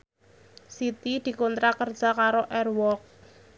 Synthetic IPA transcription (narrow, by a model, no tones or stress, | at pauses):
sit̪id̪̥i̤kont̪ɾakərd̥ʒ̥a̤kaɾoʔɛrwɔk̚